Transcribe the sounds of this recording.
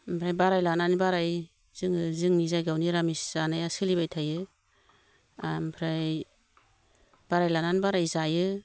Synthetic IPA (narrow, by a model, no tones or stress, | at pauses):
mpʰɾajbaɾajlananibaɾaj | z̥ɯŋɯzɯŋnizajɡawniɾamisz̥anajasɯlibajtʰajɯ | ampʰɾaj | b̥aɾajlananbaɾajzajɯ